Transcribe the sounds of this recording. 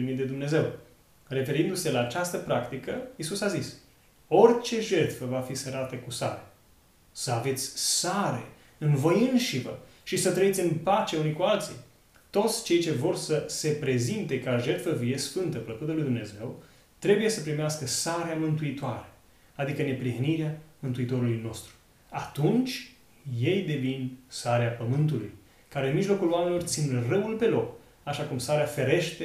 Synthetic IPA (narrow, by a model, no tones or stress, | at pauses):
imit̪d̪e̞d̪umne̞ze̞w | re̞fe̞ɾind̪use̞laːt͡ʃast̪əpɾakt̪ikəjisusazis | o̞rt͡ʃe̞ʒe̞t̪fəvafiseɾat̪əkusaɾe | səave̞t̪sʲsaɾe̞̰ | ɨnvo̞jɨnʃivə̰ʃisət̪ɾəit̪sʲɨnpat͡ʃe̞unikualt̪sḭ | t̪o̞t̪sʲt͡ʃe̞jt͡ʃe̞vo̞rsəse̞pɾe̞zint̪e̞kaoʒe̞rt̪fəvije̞sfɨnt̪əpləkut̪əlujd̪umne̞ze̞w | t̪ɾe̞buje̞səpɾimeaskəsaɾeamɨnt̪uit̪oaɾe̞ | ad̪ikəne̞pɾihniɾeamɨnt̪uit̪o̞ɾulujno̞st̪ɾu̥ | at̪unt͡ʃʲ | je̞jd̪e̞vinsaɾeapəmɨnt̪̬ulṵj | kaɾeɨnmiʒlo̞kuloamenilort̪sinrəwulpe̞lo̞k | aʃakumsaɾeafe̞ɾe̞ʃt̪e